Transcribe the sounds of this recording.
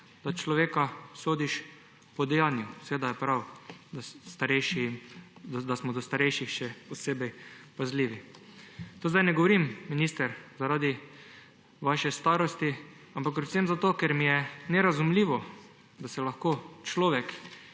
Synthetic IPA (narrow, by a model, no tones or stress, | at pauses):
d̪̥at͡ʃlɔʋeːkasoːd̪iʃ | pɔd̪ɛjaːnjʊsɛʋeːd̪ajɛpɾawd̪ast̪aɾɛjʃi | d̪asmɔd̪ɔst̪aɾɛjʃixʃɛpɔseːbɛjpazliːʋi | t̪oːzd̪ajnɛɡɔʋɔɾimːiniːst̪ɛɾzaɾaːd̪i | ʋaʃɛst̪aːɾɔst̪i | ampakpɾɛtsemzat̪oːkɛɾmijɛnɛɾazumliːʋɔ | d̪asɛlaxkoːt͡ʃlɔːʋɛk